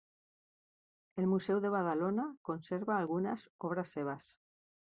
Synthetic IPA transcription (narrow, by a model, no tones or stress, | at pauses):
elmusewðe̞βaðalonako̞nseɾβaːlɣunasoβ̞ɾasːeβ̞as